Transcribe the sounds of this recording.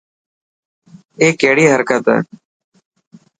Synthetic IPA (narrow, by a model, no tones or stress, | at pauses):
eːkːeːɽiːɦəɾkət̪ɛ̰ː